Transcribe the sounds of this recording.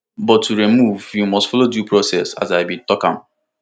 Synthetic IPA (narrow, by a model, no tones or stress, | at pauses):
bɔtːuɾimuvjumɔstfɔlodupɹosɛsa̰zaɪbitɔkã̰m